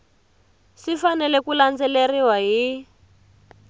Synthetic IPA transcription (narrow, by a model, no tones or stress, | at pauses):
sifanɛlɛkuland͡zɛleriwaɦi